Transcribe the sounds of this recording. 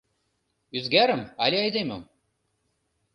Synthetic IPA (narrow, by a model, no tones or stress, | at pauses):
yzɡæɾɘ̆mɑlʲiɑjd̪emʲɘm